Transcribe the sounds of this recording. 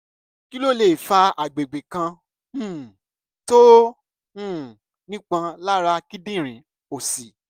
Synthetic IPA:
ki˦lo˦˨le˨fa˧a˨ɡ͡be˨ɡ͡be˨kã˧˦˨ | tõ˦˨ | nĩ˦k͡pã˧la˦ɾa˧ki˦dĩ˦˨ɾ̃ĩ˨˦ | o˨si˨

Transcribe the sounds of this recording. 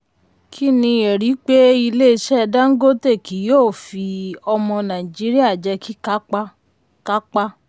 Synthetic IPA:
kʰi˦nĩ˧e˨ɾi˨˦k͡pe˦i˧le˦˧˦ʃɛ˦˧da˦ŋ̩˦ɡo˦te˦˨ki˨˦joː˦˨fi˧ɔ˧mɔ̃˧nã˨i˨d͡ʒi˨˦ɾi˦a˦˨d͡ʒɛ˧ki˦ka˦a˦ | ka˦k͡pa˦

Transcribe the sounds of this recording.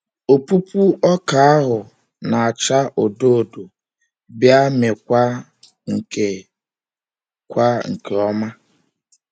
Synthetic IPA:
o˨pu˦pu˦ɔ˦ka˨a˦ɦʊ˨ | na˨a˨t͡ʃa˦ʔo˨do˦o˨do˨ | bja˦me˨kʷa˦ | ŋ̩˨ke˨ | kʷa˦ŋ̩˨ke˨ɔ˦ma˦

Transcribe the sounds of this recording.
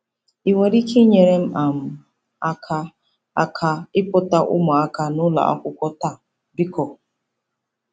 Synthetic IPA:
i˨ŋʷe˨ɾi˦kʰi˦ɲe˨ɾe˦m̩˦ʔa˨m̩˨ | a˦kʰa˦ | a˦kʰa˦ɪ˦pʊ˦ta˦ʔʊ̰˦mɔ˨a˦ka˦nʊ˦la̰˨ʔa̰˦kʷʊ˦kʷɔ˦ta˦˨ | bi˦kɔ˨

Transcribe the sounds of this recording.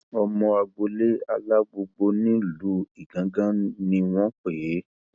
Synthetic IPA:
ɔ˧mɔ̃˧a˧ɡ͡bo˧le˦a˧la˦ɡ͡bo˧ɡ͡bo˧nĩ˦lu˨˦i˦˨ɡã˨˦ɡã˦nĩ˧w̃ɔ̃˦k͡pe˨e˨˦

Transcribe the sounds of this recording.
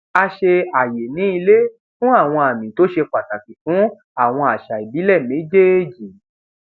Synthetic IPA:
a˧ʃe˧a˨je˨nĩ˨˦i˧le˦ | fũ˦a˦˨w̃ɔ̃˧a˨mĩ˨to˨˦ʃe˧k͡pa˨ta˨ti˨fũ˨˦ | a˦˨w̃ɔ̃˧a˨ʃa˨i˨bi˨˦lɛ˦˨mẽ˨˦d͡ʒe˦e˦˨d͡ʒi˨

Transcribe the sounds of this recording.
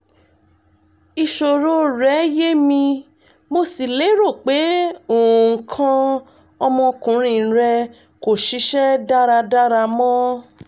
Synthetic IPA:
i˧ʃo˨ɾo˦ɾɛ˨˦je˦mĩ˧ | mo˧si˨le˨˦ɾo˦˨k͡pe˨˦oː˨ŋ̩˨˦kʰã˧ | ɔ˧mɔ̃˧kũ˨˦ɾ̃ĩ˧˨˦ɾɛ˧ | ko˨ʃi˧˦ʃɛ˦da˦ɾa˧da˦ɾa˧mɔ̃˦

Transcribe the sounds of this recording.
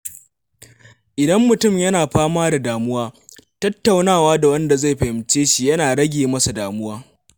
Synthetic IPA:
ʔɪ˨dɐ˦mːʊ˨tʊ˦˨mjɐ˦naː˨ɸaː˦maː˦da˨daː˨mʊ˦waː˦tɐ˦tːa˨wnaː˦˨waː˦da˨wɐ˦nda˨za˦˨jɸɐ˨hɪ˨mt͡ʃeː˦ʃi˨jɐ˦naː˨ɽɐ˦ɡʲeː˨mɐ˦sa˨daː˨mʊ˦waː˦

